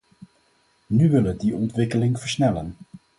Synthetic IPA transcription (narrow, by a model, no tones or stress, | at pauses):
nyʋɪlədiɔntʋɪkəlɪŋv̥əɹsnɛlən